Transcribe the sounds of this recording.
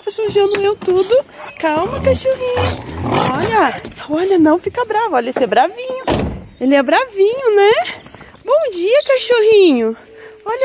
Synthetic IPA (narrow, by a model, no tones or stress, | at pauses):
pɐsuʒɐ̃nd̪ʊmewt̪ud̪ʊkawmɐkaʃoɦĩɲʊɔʎɐɔʎɐnɐ̃w̃fikɐbɾavɐɔʎɐsɛbɾavĩɲʊelɪɛbɾavĩɲʊnɛ | bõw̃d͡ʒiɐkaʃoɦĩɲʊ | ɔʎɐ